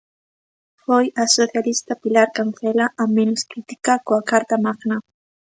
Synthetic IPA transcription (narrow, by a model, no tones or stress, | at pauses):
hojasoθjalist̪apilaɾkanθelaʔamenoskɾɪt̪i̥kakwakaɾt̪amakna